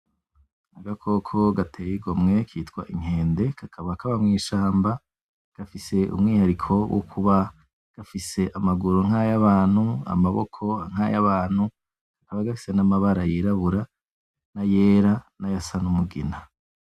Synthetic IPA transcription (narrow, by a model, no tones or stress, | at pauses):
aɡakʰo̞kʰo̞ɡatʰejiɡomŋe̞kʰiːtkwa̰ʔiŋ̥e̞ːnde̞kʰakʰaβakaβamŋiːʃaːmba | ɡ̥afise̞ʔṵmŋiːhaɾikʰo̞wʔo̰kʰuβa | ɡ̥afise̞ʔamaɡuɾoŋ̥hajaβaːn̥hua̰maβo̰kʰo̞aŋ̥ajaβaːn̥hu | kakʰaβaɡafi̥se̞namaβaɾajiɾaβuɾa | najeːɾanajasanumuɡina